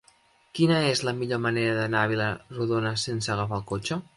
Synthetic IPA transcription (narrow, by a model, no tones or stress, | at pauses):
kinəezləmiʎoməneɾəðənaβiləruðonəsensəːɣəfalˠkot͡ʃə